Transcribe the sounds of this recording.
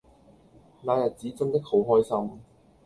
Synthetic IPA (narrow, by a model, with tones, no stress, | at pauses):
laː˨˧jɐ˨˩t̚t͡siː˨˥t͡sɵ˥ŋt̪ɪ˥k̚ho˨˥wɦɔː˥jsɐ˥m